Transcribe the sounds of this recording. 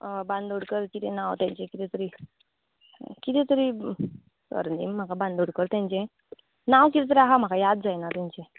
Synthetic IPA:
bãnd̪oɽkəɾkit̪ɛnawt̪jãɲt͡ɕẽkit̪ɛt̪əɾi | kit̪ɛ̃t̪əɾi | sə̰ɾnḭm̤ːakabãnd̪ʱoɽkəɾt̪jãɲt͡ɕẽ | nawkit̪ɛt̪̬əɾiaɦam̤akajad̪̚d͡zajnat̪ãɲt͡ɕẽ

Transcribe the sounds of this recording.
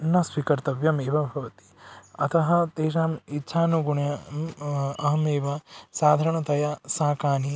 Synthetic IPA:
nɐsʋikɐɾt̪ɐʋjɐmeːʋɐbʱɐʋɐt̪i̥ɐt̪ɐɦɐ̆t̪eːʃaːmitːʃʰaːnuɡuɳɐjɐ | ɐɦɐmeːʋɐsaːd̪ʱɐːɾɐɳɐt̪ɐjɐsaːkaːni

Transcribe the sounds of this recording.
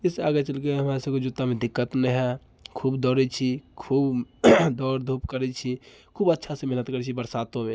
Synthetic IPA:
ɪsaːɡet͡ʃəlkeɦɐmaːɾesəbkod͡ʒʊt̪ːamẽd̪ɪkːət̪meɦɛ | kʰuːbd̪ɔːɾɛt͡ʃʰikʰuːbd̪ɔːɾd̪ʱupkəɾɛt͡ʃʰi | kʰuːbətːʃʰasemeɦnət̪kəɾɛt͡ʃʰibəɾsaːt̪õmẽ

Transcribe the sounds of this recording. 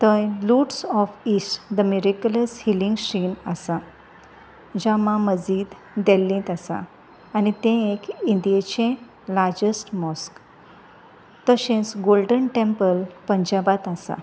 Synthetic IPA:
t̪ə̃jluʈsɔfisʈd̪əmiɾikjuləshilĩŋɡɕinasa | d͡ʑamãməd͡ziːd̪ | d̪ɛlːĩt̪asã̰ː | nit̪ẽekind̪ijet͡ɕẽ | laɾd͡ʑəsʈmɔsk | t̪əɕẽt͡sɡolɖənʈẽmpəlpəɲd͡ʑabat̪asa̰

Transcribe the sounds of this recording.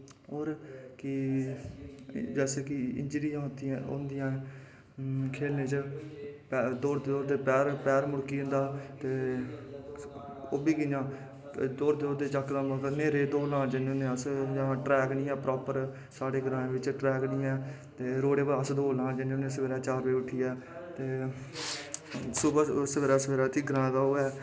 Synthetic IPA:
ɦoːɾkɪ | d͡ʒɛːseːkɪɪ̰ɲd͡ʒɾijãːɦt̪ijãːʊ̰nd̪ɪjãː | kʰeːlneːt͡ʃəpd̪oːɾt̪d̪oːɾt̪eːpɛːɾpɛːɾmʊɽkiːʊ̃nd̪aːt̪eː | oːbiːkɪãː | d̪oːɾd̪eoːd̪eːt͡ʃəkd̪ãːmãːkneːɾeːd̪oːlãːd͡ʒəneʊnẽːəsd͡ʒãːʈɾɛːknĩːɛ̃ːpɾɔːpəɾ | saːɽeːɡɾãːẽːʋɪt͡ʃʈɾɛːknĩːɛ̃ː | t̪eːɾoːɽeːbəəsd̪oːlãːd͡ʒəneʊnẽːs̬əʋeːɾaːt͡ʃaːɾʋeːʊʈʰːiːɛː | t̪eː | sʊbəsəʋeːɾaːsəʋeːɾaːt̪iːɡɾãːd̪aːoːɛː

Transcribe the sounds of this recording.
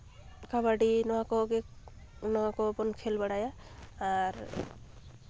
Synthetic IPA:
kabaɖinɔwakɔɡe | nɔakɔbɔnkʰelbaɽajaː | ɾ

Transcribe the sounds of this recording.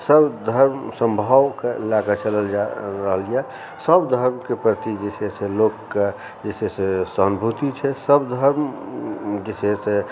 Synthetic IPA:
səbd̪ʱəɾmsə̃mbʱawkelaɡət͡ʃələld͡ʒaɾəɦəlija | səbd̪ʱəɾmkepɾət̪id͡ʒeseselokːe | d͡ʒesesesənbʱut̪it͡ʃʰɛsəbd̪ʱəɾm | d͡ʒesese

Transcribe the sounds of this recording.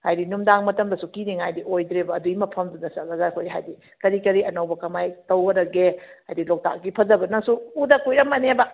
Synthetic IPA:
hajdinumdaŋmɐtɐmdɐsukiniŋajdiʔojdɾebɐːduimɐpʰɐmdunɐsɐlɐzakʰojɦa̰jdi | kɐɾikɐɾiɐnɐwbɐkɐmajtɐwɡɐɾɐɡeajdilok̚ta̰k̚ɡipʰɐzɐbɐnɐŋsuːdɐkujɾɐmːɐnebɐ

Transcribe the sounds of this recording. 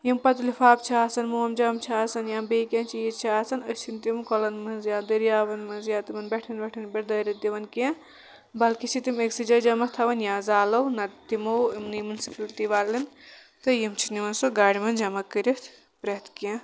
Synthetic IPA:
jimpɐt̪lifʰaːp̚t͡ʃʰiaːsɐnmuɐmd͡ʒɐmt͡ʃʰiaːsɐnjãːmbeːkʲɐ̃nt͡ʃʰijit͡ʃʰiaːsɐnət͡ʃʰint̪imkɔlɐnmɐnzjaːd̪ɐɾijaːʋɐnmɐnzjãːt̪imɐnbɛʈʰinbɛʈʰinbiʈd̪ɐːɾɐd̪iʋɐnkɛ̃ | bɐlkit͡ʃʰit̪imeksid͡ʒɐd͡ʒɐmɐt̪ʰɐʋɐnjãːzaːlɐwnɐt̪imɐwimnimɐnsipilt̪iʋaːlːin | t̪ɨjimt͡ʃʰinimɐnsoɡaːɽimɐnd͡ʒɐmɐkːɨɾit̪ʰ | pɾɐt̪kẽ

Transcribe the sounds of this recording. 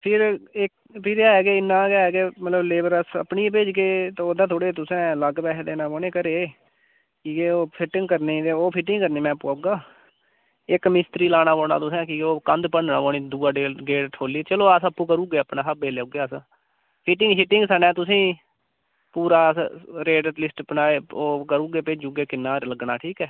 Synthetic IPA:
pʰɪɾɪk | pʰɪɾaːɦɛːɡeːɪnːãːɡaːɦɛːɡeːmət̪ləbleːbəɾəsə̰pniːpeːd͡ʒkeːt̪ːoːd̪ãːt̪ʰoːɽeːt̪ʊsɛ̃ːləɡbɛːɦd̪eːnãːboːneːkəɾeː | kikeːoːpʰɪʈɪ̃ŋɡkəɾneːd̪eːoːpʰɪʈɪ̃ŋɡkəɾneːmɛ̃ːpːuːaːuːɡaː | ɪkmɪst̪ɾiːlaːnaːboːna̰ːt̪ʊsɛ̃ːkiːeoːkənd̪pəɳa̰ːboːnĩːd̪uːaːɖeːlɡeːʈʈʰoːliːt͡ʃəloːəsəpːũːkəɾuːɡeːəpnãːsəbeːleauːɡjaːs | pʰɪʈɪ̃ŋɡʃɪʈɪŋɡsənɛ̃ːt̪ʊsĩː | puːɾaːɾeːɖət̪lɪsʈpənaːeːoːkəɾuːɡeːpeːd͡ʒuːɡeːkɪnːaːɾləɡnaːʈʰiːkɛː

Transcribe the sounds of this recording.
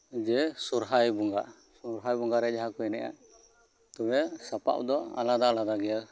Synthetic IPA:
d͡ʒɛsuɾɦajbuŋɡaʔ | sɔɾɦajbɔŋɡaɾɛd͡ʒaɦakɔjnɛ̰ʔa̰ | t̪ɔbɛsapa̰ʔd̪ɔa̰lad̪alad̪aɡɛja

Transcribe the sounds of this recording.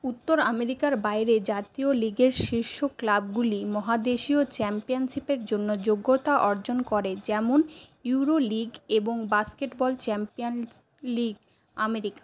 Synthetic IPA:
ut̪ːoɾameɾikaɾbajɾed͡ʑat̪ioliɡeɾʃiɾʃoklab̚ɡulimɔɦad̪eʃiot͡ɕɛmpionʃipeɾd͡ʑonːod͡ʑoɡːot̪aʔɔɾd͡ʑonkɔɾed͡ʑɛmonjuɾoliɡeboŋbaskeʈbɔlt͡ɕɛmpion | liɡ | ameɾikḁ

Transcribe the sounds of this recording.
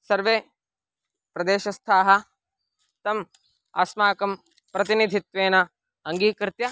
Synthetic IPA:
sɐɾʋeː | pɾɐd̪eːʃɐst̪ʰaːɦɐ | t̪ɐm | a̰smaːkɐm | pɾɐt̪inid̪ʱit̪ʋeːnɐ | ɐŋɡiːkɾɪt̪jɐ

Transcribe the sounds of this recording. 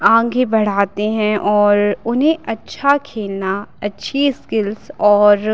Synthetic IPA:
ãːɡebɐɽ̤aːt̪eɦɛ̃ʔɔːɾʊnɦẽʔɐtːʃʰakʰeːlnaɐtːʃʰiskɪlsɔːɾ

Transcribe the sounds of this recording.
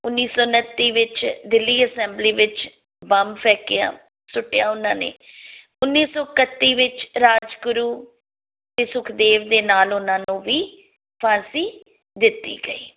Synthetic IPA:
ʊnːiːsɔːnət̪ːiːʋɪt͡ʃd̪ɪlːiːəsɛ̃ːmbliːʋɪt͡ʃ | bəmpʰɛːkɪja̰ː | sʊʈːɪjaːʊnãːnḛː | ʊnːiːsɔːkət̪ːiːʋɪt͡ʃɾaːd͡ʒkʊɾuː | t̪eːsʊkʰd̪eːʋd̪eːnaːlʊnãːnũːʋiː | pʰãːsiː | d̪ɪt̪ːḭːɡəiː

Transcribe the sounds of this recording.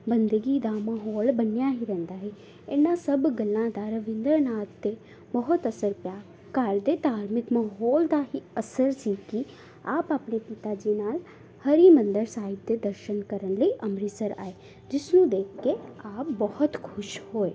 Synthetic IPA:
bənd̪əɡiːd̪aːmaɦɔːlbənejaːɦiːɾɛ̃ːnd̪aːɦeː | enːãːsəbɡəlːãːd̪aːɾəʋɪ̃nd̪əɾnaːt̪ːeː | bəːɦʊt̪əsəɾpjaː | kəɾd̪eːd̪aːɾmɪkməɦɔːld̪aːɦiːəsəɾsiːki | aːpaːpɳeːpɪt̪aːd͡ʒiːnaːl | həɾiːmənd̪əɾsaːɪb̚d̪eːd̪əɾʃənkəɾəɳləiːʔəmɾisəɾa̰ːeː | d͡ʒɪsnũːd̪eːkʰkːeaːp̚bɔɦʊt̪kʰʊʃhoːeː

